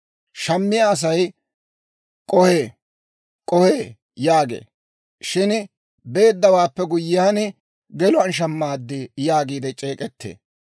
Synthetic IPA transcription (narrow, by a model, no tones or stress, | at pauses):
ʃɐmːɪjaːs̬ɐj | kʼɔheː | kʼɔheː | jaːɡḛː | ʃɪn | be̞ːd̪ːɐwaːpːɛɡʊjːɪjaːnɪ | ɡɛlʊɐnʃ̬ɐmːaːd̪ːɪjaːɡiːd̪ɛt͡ʃʼeːkʼɛt̪ʰːḛː